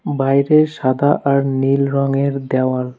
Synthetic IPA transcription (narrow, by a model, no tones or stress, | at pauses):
bajɾeɾʃad̪ʱaʔaɾnilɾɔŋeɾd̪ɛal